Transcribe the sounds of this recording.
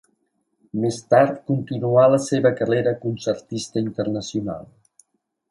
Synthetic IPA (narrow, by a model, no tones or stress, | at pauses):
mest̪aɾt̪kunt̪inualəseβəkəreɾəkunsəɾt̪ist̪əint̪ərnəsiuna̰lˠ